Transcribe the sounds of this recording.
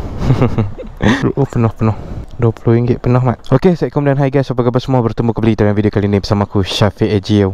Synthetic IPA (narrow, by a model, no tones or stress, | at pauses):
luʔupənɔhpənɔhdɔploiŋɡɪʔpənɔhmaʔokesɛʔ̚kɔmdanɦajɡajsapaɡabasəmuɔbərt̪əmũkəbəlit̪alanvidiokalinĩbəsamãkuʃafiʔad͡ʒio